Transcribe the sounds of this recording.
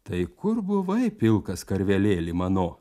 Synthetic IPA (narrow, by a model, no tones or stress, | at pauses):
t̪ɐɪkʊɾbʊʋɐɪpʲɪlˠkɐskɐɾʲʋʲɛlʲeːlʲɪmɐnoː